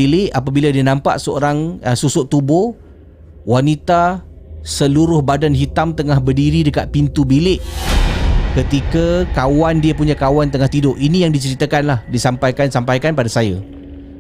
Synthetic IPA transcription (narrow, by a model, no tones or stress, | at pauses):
ilɪʔapabiladianãmpa̰ʔsəo̰ɾaŋəsusʊʔt̪ubʊ | wanit̪a | səluɾʊhbadanɦit̪amt̪əŋahbərdiɾidəkat̪̚pint̪ubilɪʔ | kət̪ikakawandiapuɲakawant̪əŋaht̪idʊʔinijaŋdit͡ʃəɾit̪akanlahdisampajkansampajkanpadasaja̰